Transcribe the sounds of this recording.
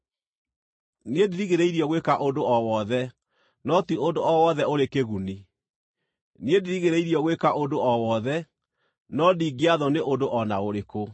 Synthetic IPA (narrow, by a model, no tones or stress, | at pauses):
niediɾiɣeɾeiɾiɔɣwekaʔodoɔwɔðɛ | nɔtiʔondoɔwɔðɛoɾekeɣuni | niediɾiɣeɾeiɾiɔɣwekaʔondoɔwɔðɛ | nɔdiːɡeaðɔneʔondoʔɔnaoɾeko